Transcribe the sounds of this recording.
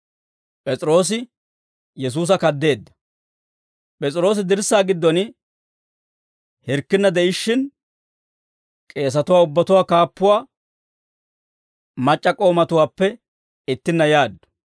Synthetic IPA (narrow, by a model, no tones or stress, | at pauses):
pʼɛt͡sʼɪɾo̞ːs̬ɪ | jɛs̬uːs̬ɐkɐd̪ːe̞ːd̪ːɐ̥ | pʼɛt͡sʼɾo̞ːs̬ɪd̪ɪɾsːaːɡɪd̪ːɔn | hɪɾkːɪnːɐd̪ɛɪʃːɪn | kʼe̞ːs̬ɐt̪ʊwaːʊbːɐt̪ʊwaːkaːpːʊwaː | mɐt͡ʃʼːɐkʼo̞ːmɐt̪ʊwaːpːɛ | ɪt̪ːɪnːɐjaːd̪ːɔ̥